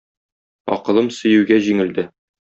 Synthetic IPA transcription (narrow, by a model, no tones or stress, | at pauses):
ɒ̰qɤ̆lˠɤmsɵ̆jʉ̆wɡæʑiŋɘ̆ld̪ɘ